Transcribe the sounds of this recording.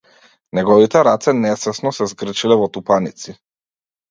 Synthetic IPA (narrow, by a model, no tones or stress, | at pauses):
nɛɡɔvit̪ɛɾat̪sɛnɛsɛsnɔsɛzɡr̩t͡ʃilɛvɔt̪upanit̪si